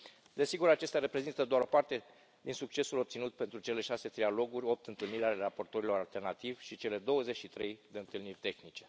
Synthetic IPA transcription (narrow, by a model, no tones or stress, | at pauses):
d̪e̞siɡuɾat͡ʃe̞st̪ʲaɾe̞pɾe̞zint̪əd̪oaɾo̞part̪e̞ | d̪insuk̚t͡ʃe̞sulo̞p̚t̪sinut̪̚pe̞nt̪ɾut͡ʃe̞le̞ʃase̞t̪ɾialo̞ɡurʲo̞p̚t̪ɨnt̪ɨlniɾʲale̞rapo̞rt̪o̞ɾilo̞ɾalt̪e̞rnat̪ivʲʃit͡ʃe̞le̞d̪o̞wəze̞t͡ʃʃit̪ɾe̞jd̪e̞ɨnt̪ɨlnirʲt̪e̞xnit͡ʃe̞